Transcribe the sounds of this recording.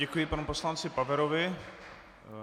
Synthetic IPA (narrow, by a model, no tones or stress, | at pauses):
ɛkujɪpanuposlant͡sɪpavɛɾovɪ